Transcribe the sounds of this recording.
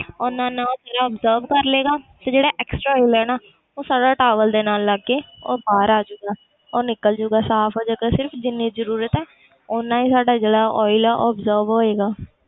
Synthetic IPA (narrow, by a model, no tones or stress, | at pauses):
ʊnãːnãːd͡ʒeːɽaːɔːbzəːɾbkəɾleːɡaːsed͡ʒeːɽaːʔɛːksʈɾaːɔːɪlɛːnaː | oːsaːɖaːʈaːʋəld̪eːnaːlːaːɡeːo̰ːbaːɾaːd͡ʒoːɡaː | ɔːnɪkəld͡ʒoːɡaːsaːpʰɦoːd͡ʒaːɡaːsɪɾpʰd͡ʒɪnːiːzəɾuːɾət̪ɦɛː | ʊnãːiːsaːɖaːd͡ʒeːɽaːʔɔːɪlaːʔɔːbzəːɾbɦoːeːɡaː